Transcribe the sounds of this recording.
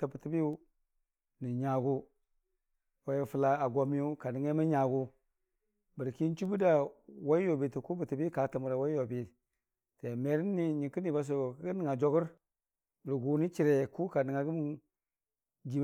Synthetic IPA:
ta˨bə˨ti˦bi˦u˦ | ni˨ɲa˨ɡu˦ | wa˨˦ji˨fu˨la˨a˨ɡo˨mi˦ju˦ka˨ni˨ŋa˦ma˦ɲa˨ɡu˦ | bə˨ɾki˦n˦t͡ʃu˦bu˦da˦˨wa˦i˦jo˨bi˨ti˨ku˦bə˨ti˨bi˦ka˨ta˨mu˨ɾa˨wa˦i˦jo˨bi˨ | te˨me˨ɾi˦nːi˨ɲi˨ki˦ni˨ba˨s̬o˨kɡə˦ni˨ŋa˨d͡ʒo˦ɡu˦ɾ | bə˨ɾɡu˨ni˦t͡ʃi˨ɾe˨ku˦ka˨ni˨ŋa˨ɡu˦mu˦ | d͡ʒi˨m˦

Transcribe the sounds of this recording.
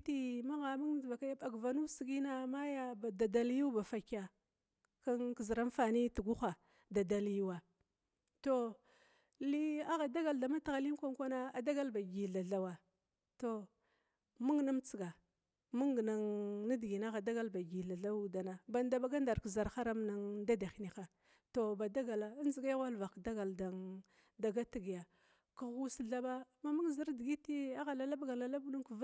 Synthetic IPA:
ti˦ma˦ɣa˨mu˦ŋ˦˨va˨ka˦ja˦ɓa˨ɡva˨nu˦si˨ɡi˦na˦ma˦ja˦ba˨da˨da˨lju˦ba˨fa˨ka˨ | ka˦ŋki˨zɾa˦n˦fa˨ni˦tu˨ɡu˦xa˨ | da˨da˨lju˦wa˨ | to˦ | li˦a˦ɣa˨da˦ɡa˨lda˨ma˦ta˨ɣa˨li˦ŋ˦kʷa˦ŋkʷa˦na˦a˨da˦ɡa˦lba˨ɡi˨ɮa˨ɮa˦wa˨ | to˨ | mu˦ŋ˨na˦mt͡si˨ɡa˨ | mu˦ŋɡna˨ŋni˦dɡi˨n˦a˦ɣa˨da˦ɡa˦lba˨ɡi˨ɬa˨ɮa˦u˦da˨na˨ba˨n˦da˦˨ba˦ɡa˦nda˨ɾkza˨ɾxa˦ɾa˦mna˦ŋda˦da˨xni˨xa˨ | to˨ba˨da˦ɡa˨la˨˦n˦zi˨ɡa˦ɣa˦lva˨kda˦ɡa˨lda˨ŋ | da˨ɡa˦ti˨ɡi˨ja˨ | ku˨ɣu˦sɮa˦ba˦ma˦˨mu˦ŋ˨zi˦ɾdi˨ɡi˦ti˦a˦ɣa˨la˨la˦bɡa˨la˨la˦bu˦nu˦ŋ˦˨v

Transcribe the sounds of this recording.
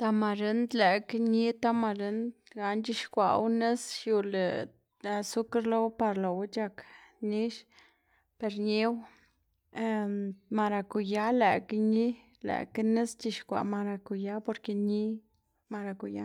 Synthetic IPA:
t̪a˧ma˧ɾe˧nd̪la˨kɲi˦t̪a˦ma˧ɾe˧˦nd̪ɡa˨nt͡ʃi˧ʃkʷa̰˨wne˦sju˧lḛ˨ | a˧su˦ka˦ɾlo˦wpa˧ɾlo˨wt͡ʃa˧kni˦ʃ | pe˧ɾɲi˦w | ma˧ɾa˧ku˨ja˦le˨kɲi˦ | la̰˨kne˦st͡ʃi˧ʃkʷa̰˨ma˧ɾa˧ku˨ja˦po˧ɾke˧ɲi˦ | ma˧ɾa˧ku˨ja̰˦

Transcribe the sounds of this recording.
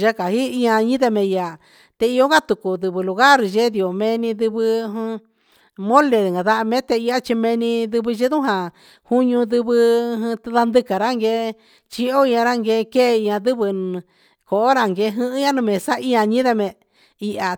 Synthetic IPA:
ʒa˦ka˨hi˦i˧ã˧ɲĩ˦ðe˧mẽ˧ja˨ | t̪e˧i˧o˦ŋ˦ɡa˦t̪u˨ku˨d̪ɨ˧βɨ˧lu˧ɣa˦˨ɾʒe˦ði˧o˨mẽ˧nĩ˧ðɨ˧βɨ̃˧ | mõ˦le˧˨ŋɡa˨ða˧˦˧mẽ˦t̪e˧i˧a˦t͡ʃi˧mẽ˧nĩ˧ðɨ˧βɨ˧ʒi˦ðũ˦ɦã˨ | hu˦ɲũ˧ðɨ˧βɨ̃˧ða˧nd̪ɨ˧ka˨ɾa˦ŋɡe˧ | t͡ʃi˧o˦ĩ˧ã˧ɾa˦ŋɡe˧ke˦˧i˧ã˧ðɨ˦βɨ˧ | ko˨ʔo˦ɾa˧ŋɡe˧˦˧ɦɨ̃˦ʔɲã˦nũ˧mẽ˨sa˦ʔi˧ã˧ɲĩ˦ðe˧mẽ˧ | i˧ʔa˨

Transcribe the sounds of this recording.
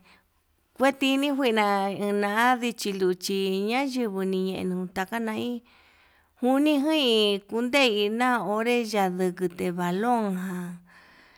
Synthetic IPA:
kʷe˦t̪i˧nĩ˦ɦʷi˦˧nã˧ĩ˧nã˧a˦ði˧t͡ʃi˧lu˧˨t͡ʃi˧ɲã˦ʒɨ˧βɨ˧nĩ˧ɲẽ˧ʔḛ˧nũ˨˧t̪a˧ka˦nã˧˦i˦ | hu˧nĩ˦ɦɨ̃˦i˧ku˧nd̪e˦˧i˧nã˦o˧˦ɾe˦ʒa˧ðɨ˧kɨ˧t̪e˨βa˨lõ˦˨ŋɦã˧

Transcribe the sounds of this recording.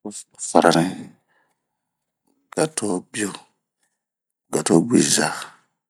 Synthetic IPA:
fa˨ɾa˨ɾɛ̃˦ | ɡ̥a˨tʰɔ˦bi˦o˦ | ɡa˨to˦bḭ˨za˨

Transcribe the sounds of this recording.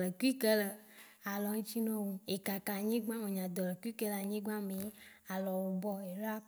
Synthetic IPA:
lə˨ki˦kə˦lə˨ | a˨lɔ˨˦ɲĩ˦t͡ʃi˦nɔ̃˦wo˨e˨ka˨ka˨ɲẽ˦ɡ͡bã˦me˨ɲã˨d̪ɔ˨lə˨ki˦kə˦la˨ɲẽ˦ɡ͡bã˦me˨˦ | a˨lɔ˨wo˨bɔ˦e˨ɾa˦

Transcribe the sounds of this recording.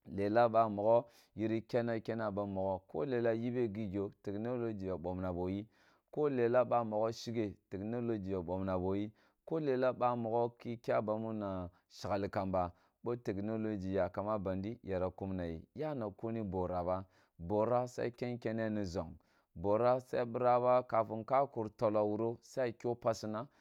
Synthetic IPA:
le˨la˦ɓa˦mo˨ɡo˦ | ji˦ɾi˦kʲe˦na˦kʲe˦na˦ba˨˦mo˨ɡo˦ko̰˦le˨la˦ji˦be˦ɡi˦ɡʲo˨te˨kno˦lo˦d͡ʒi˨ja˨ɓo˨mna˨bo˨ji˦ | ko˦le˨la˦ɓa˦mo˨ɡo˦ʃi˦ɡe˨te˨kno˦lo˦d͡ʒi˨ja˨ɓo˨mna˨bo˨ji˦ | ko˦le˨la˦ɓa˦mo˨ɡo˦ki˦kʲa˦ba˨mu˦na˨ | ʃi˨ɡa˨li˨ka˨mba˨ | bo˦te˨kno˦lo˦d͡ʒi˨ja˨ka˨ma˦ba˨ndi˦ja˨ɾa˨ku˦mna˨jḭ˨ja˦na˨ko˦ni˦bo˨ɾa˨ba˦ | bo˨ɾa˦sa̰˦i˦ke˦nkʲe˦ne˦ni˨zo˨ŋ | bo˨ɾa˦sa̰˦i˦bi˦ɾa˦ba˦ka˨fu˨nka˦ku˨ɾto˨la˨wu˨ɾo˦sa˦i˦kʲo˦pa˦si˦na˦

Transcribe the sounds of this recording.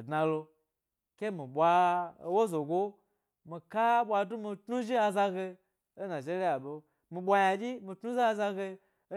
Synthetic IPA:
dna˧lo˧ | ke˦mi˨ɓʷa˧˦wo˦zo˨ɡo˦ | mi˧ka˦ɓʷa˧du˦mi˧tnu˦ʒi˦a˧za˧ɡe˧ | o˦na˨d͡ʒe˦ɾi˦ja˨ɓo˧ | mi˧ɓʷa˧ja˧d͡ʒʲi˦mi˧tnu˦za˦a˧za˧ɡe˧˦

